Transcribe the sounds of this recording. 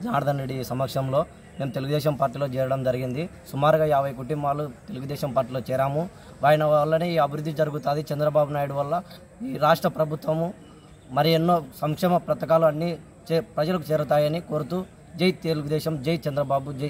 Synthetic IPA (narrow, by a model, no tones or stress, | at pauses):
d͡ʒaːɾɐd̪ʱɐnɾeɖisɐmɐkʂɐmlo̞ː | me̞ːmut̪eluɡud̪ɛːʃɐmpaːɾʈːiːlo̞ːt͡ʃɛːɾɐɽɐmd͡ʒɐɾiɡind̪isumaːɾuɡaːɛaːʋɐjkuʈimbaːlut̪e̞luɡud̪ɛːʃɐmpaːɾʈːiːloːt͡ʃɛːɾaːmu | ʋaːjɐnɐʋɐlːɐneːiːɐbʱiɾud̪ːid͡ʒɐɾuɡut̪uːd̪it͡ʃɐnd̪ɾɐbaːbunaːjuɽuʋɐlːɐ | iːɾaːʂʈɾɐpɾɐbʱut̪ʋɐmu | mɐɾienːoːsɐŋkʂɛːmɐpɾɐt̪ɐkaːluɐnːi | t͡ʃɛpɾɐd͡ʒɐlɐk̬ut͡ʃɛːɾut̪aːjɐniko̞ːɾut̪uː | d͡ʒejt̪̚t̪eluɡud̪ɛːʃɐmd͡ʒejt̪̚t͡ʃɐnd̪ɾɐbaːbud͡ʒ